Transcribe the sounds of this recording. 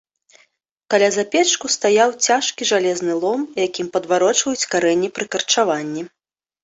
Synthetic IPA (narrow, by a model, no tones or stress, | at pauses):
kalʲazapʲɛt͡ʂkust̪ajawt͡sʲaʂkʲiʐalʲɛznɨlˠɔmjakʲimpɐd̪vaɾɔt͡ʂvɐjut͡sʲkaɾɛnʲːipɾɨkɐrt͡ʂavanʲːi